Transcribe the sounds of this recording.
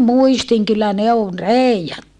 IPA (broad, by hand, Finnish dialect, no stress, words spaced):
muistiŋ kylːæ ne on reiɑtːu